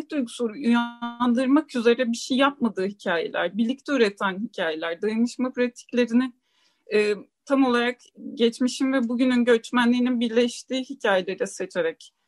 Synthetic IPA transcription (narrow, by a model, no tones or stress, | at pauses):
t̪ujɡusuɾuyjand̪ɯɾmakyze̞ɾɛbiʃijjːap̚mad̪ɯːhicʰaːjḛlʲæ̰ɾbiɾlʲːic̚t̪ʰɛyɾɛt̪ʰænɦicʰaːje̞lʲæɾd̪ajɯnɯʃmapɾat̪ʰi̥clʲe̞ɾini | ɛːt̪ʰamo̞lˠaɾak | ɟɛt͡ʃmiʃimvɛbuɟynynɟø̞t͡ʃmænlʲiːninbiɾlʲɛʃt̪iːhicʰaːjelʲeɾɛse̞t͡ʃʰe̞ɾɛc